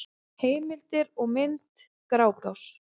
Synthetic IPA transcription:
heːjmɪlt̪ɪɾɔɣmɪnt̪ | kɾaːwkaws

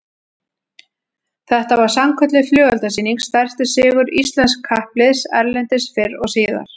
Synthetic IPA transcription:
θɛht̪avaɾ̥samkʰœt̪lɪflœːɣalt̪asiːniŋst̪ɛr̥st̪ʏsɪːɣʏɾist̪lɛnskʰːahplɪðsɛ̰ɾlɛnt̪ɪsfɪɾɔɣsiːða̰ɾ̥

